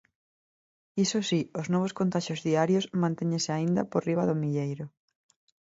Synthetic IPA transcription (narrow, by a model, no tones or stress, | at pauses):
isosiʊznɔβ̞oʊskont̪aʃozðiaɾjosmãnt̪eɲẽnsɪaind̪ɐ̰poriβɐðʊmiʎejɾʊ